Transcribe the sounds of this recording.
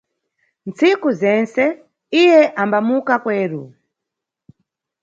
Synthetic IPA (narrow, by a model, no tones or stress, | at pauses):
nt͡sikuzɛnsɛ | ijɛʔambamukakwɛːɾu